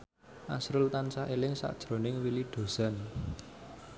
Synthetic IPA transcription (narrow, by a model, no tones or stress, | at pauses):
ʔa̰sɾʊlt̪ansaʔelɪŋsa̰ʔd̥ʒ̥ɾo̤nɪŋwiliɖ̪̥o̤z̥a̤n